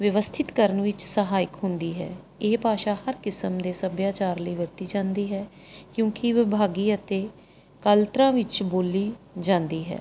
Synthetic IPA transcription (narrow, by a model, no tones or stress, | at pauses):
ʋjəʋəst̪ʰɪt̪kəɾənʋɪt͡ʃsəɦaːɪkɦʊnd̪iːɦɛ̰ː | eːpaːʃaːhəɾkɪsəmd̪eːsəbjaːt͡ʃaːɾləiːʋɪɾt̪iːd͡ʒãːnd̪iːɦɛː | kjõːkiʋɪbʱaːɡiːət̪eː | kəlt̪ɾãːʋɪt͡ʃboːliːd͡ʒãːnd̪iːɦɛ̰ː